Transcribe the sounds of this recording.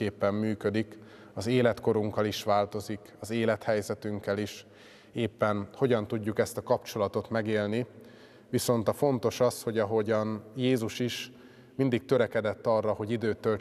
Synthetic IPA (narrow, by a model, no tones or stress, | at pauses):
eːpːɛmːyːkø̞d̪ik | ɒzeːlɛt̪ko̞ɾuŋkɒliʃʋaːlt̪o̞zikɒzeːlɛt̪hɛjzɛt̪yŋkːɛliʃ | eːpːɛnho̞ɟɒnt̪uɟːukɛst̪ɒkɒpt͡ʃo̞lɒt̪o̞t̪mɛɡeːlni | ʋiso̞nt̪ɒfo̞nt̪o̞ʃɒsho̞ɟɒɦo̞ɟɒnjeːzuʃiʃ | mind̪ik̚t̪øɾɛkɛd̪ɛt̪ːɒrːɒho̞ɟid̪øːt̪ːøl